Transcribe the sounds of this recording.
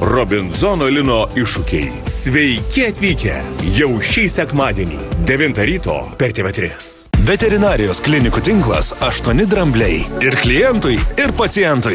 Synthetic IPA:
ɾɔbʲɪnzɔnoːlʲɪnoːɪʃʊkʲɛ̰ɪ | sʲʋʲɛɪkʲɪɐt̪ʲʋʲiːkʲɛ̰jɛʊʃʲiːsʲɛkmɑːd̪ʲiɛnʲḭːd̪ʲɛʋʲɪnt̪ɐɾʲiːt̪o̰ːpʲɛɾʲt̪ʲeːʋʲɛt̪ʲɾʲɪs | ʋʲɛt̪ʲɛɾʲɪnɑːɾʲɪjoːsklʲɪnʲɪkut̪ʲɪŋklˠɐ̰sɐʃt̪uɔnʲɪd̪ɾɐmʲbʲlʲɛɪɪɾklʲɪjɛnt̪ʊjɪɾpɐt̪sʲɪjɛnt̪ʊj

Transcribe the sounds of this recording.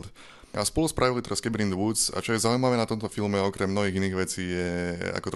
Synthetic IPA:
d̪ | a̰spɔluspɾʔaʋilit̪ɛɾaskɛbɾind̪ʋuza̰t͡ʃɔjɛzaːujmaʋɛːnat̪ɔmt̪ɔfilmɛɔkɾɛmnɔɦiːɣiniːɣʋɛt͡siːjɛa̰kɔt̪

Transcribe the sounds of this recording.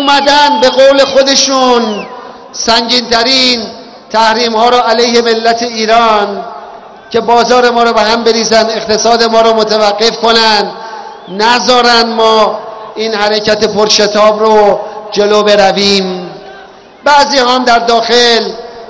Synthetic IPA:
umæd̪ænd̪be̞ɣoːle̞xod̪e̞ʃuːn | sæŋɟiːnt̪ʰæɾin | t̪ʰæhɾiːmhɒːɾɔːʔælejhe̞me̞lːæt̪ʰe̞iːɾɒːn | cʰe̞bɒːzɒːɾe̞mɒːɾɒːbeɦæmbe̞ɾiːzænd̪e̞qt̪ʰe̞sɒːd̪e̞mɒːɾɒːmot̪ʰævæɡːe̞fko̞nænd̪ | næzɒːɾænd̪mɒːiːnhæɾecæt̪e̞pʰoɾʃe̞t̪ʰɒːbɾod͡ʒe̞loːbe̞ɾæviːm | bæziːhɒːmd̪æɾd̪ɒːxe̞l

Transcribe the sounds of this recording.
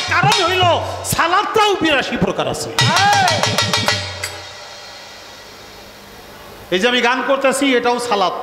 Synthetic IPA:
kaɾonɦojlosalat̪ːawbiɾaʃipɾokaɾa̰sʰe | ed͡ʑeamiɡankoɾt̪easʰieʈaosalat̪

